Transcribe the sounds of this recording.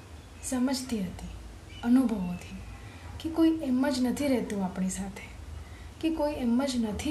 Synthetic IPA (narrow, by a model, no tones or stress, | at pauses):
səməd͡ʒt̪iɦət̪i | ənubʱəʋot̪ʰi | kekoieməd͡ʒnət̪ʰiɾɛɦt̪ũapɳisat̪ʰe̥ | kekoiɛməd͡ʒnət̪ʰi